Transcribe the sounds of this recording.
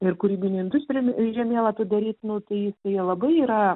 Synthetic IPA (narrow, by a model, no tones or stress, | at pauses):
ɪrkʊɾʲiːbʲɪnʲɪnd̪ʊsʲpʲɾʲɪmʲʒʲɛmʲeːlˠɐt̪ʊd̪ɐɾʲiːt̪nʊt̪ɐɪjɪsɐɪlˠɐbɐɪiːɾɐ